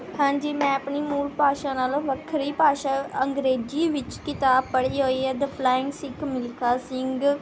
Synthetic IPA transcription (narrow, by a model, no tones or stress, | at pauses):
hãːɲd͡ʒiːmɛ̃ːəpɳiːmuːlpaːʃãːnaːlʋəkʰɾiːpaːʃaːəŋɡɾeːd͡ʒiːʋɪt͡ʃkɪt̪aːpəɽiːɦoːiːɛːd̪əpʰlaːɪ̃ŋɡsɪkmɪlkʰaːsɪŋɡ